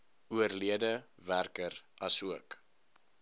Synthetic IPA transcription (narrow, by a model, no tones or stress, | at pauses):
uərliədəværkərʔɐsuək